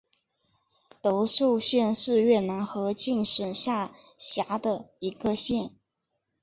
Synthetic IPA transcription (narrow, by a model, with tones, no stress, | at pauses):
t̪o˧˥ʊʂo˥˧ʊɕjɛ˥˧nʂɻ̩˥˧ɥɛ˥˩na˧˥nxɤ˧˥t͡ɕi˥˩ŋʂə˨˩nɕja˥˩ | ɕja˧˥d̪ə˧ | i˧˥ɡə˧ɕjɛ˥˩n